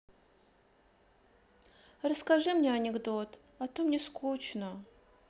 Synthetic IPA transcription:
rəskaʐɨmnʲeɐnʲɪɡd̪ot̪ | ɐt̪omnʲeskut͡ɕnə

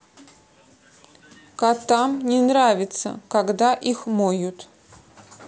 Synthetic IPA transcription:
kat̪amnʲɪnɾavʲɪt̪sə̰kaɡd̪aʔixmojʊt̪

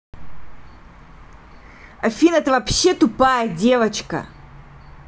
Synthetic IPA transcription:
ɐfʲinɛt̪əvɐpɕːet̪ʊpajədʲe̞vət͡ɕkə̰

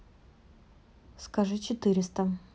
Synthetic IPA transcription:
skaʐɨt͡ɕɪt̪ɨɾʲɪst̪ə

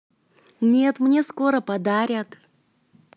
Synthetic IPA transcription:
nʲet̪mnʲesko̞ɾəpɐd̪aɾʲət̪

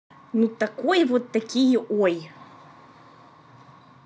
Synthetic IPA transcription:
nut̪akojvot̪ːɐkʲijəʔoj

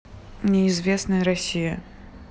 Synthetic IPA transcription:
nʲɛizvʲɛsnɐjɾasʲijɐ

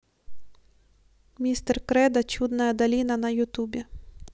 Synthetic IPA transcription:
mʲist̪ɛrkɾɛd̪ɐt͡ʃud̪nɐjɐd̪ɐlʲinɐnɐjʊt̪ubʲi

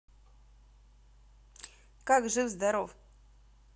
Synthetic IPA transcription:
kakʐɨwzd̪aɾof

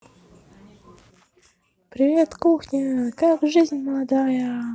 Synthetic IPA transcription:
pɾʲɪvʲet̪kuxnʲəkakʐɨzʲnʲməlˠɐd̪ajə

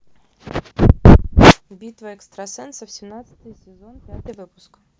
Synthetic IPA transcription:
bʲit̪vəɛkst̪ɾɐsɛnsəfsʲɪmnat̪sɨ̥t̪ɨjsʲɪzonpʲat̪ɨjvɨpʊ̥skɐ̥

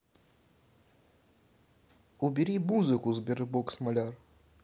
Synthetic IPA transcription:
ʊbʲɪɾʲimuzɨkʊzbʲɪɾɨboksmɐlʲar

